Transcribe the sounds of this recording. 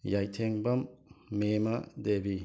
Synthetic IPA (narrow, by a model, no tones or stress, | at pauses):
jajtʰeŋbɐmːemɐd̪ebi